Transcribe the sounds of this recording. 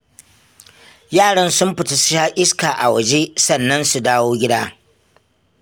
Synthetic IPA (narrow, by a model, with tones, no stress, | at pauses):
jaː˦˨ɽɐ˦nsʊ˦mɸɪ˨ta˨sʊ̥˦ʃaː˦ʔɪ˦skaː˨ʔa̰˨wɐ˨d͡ʒe˦sɐ˨nːɐ˦nsu˨daː˦woː˦ɡʲɪ˦daː˦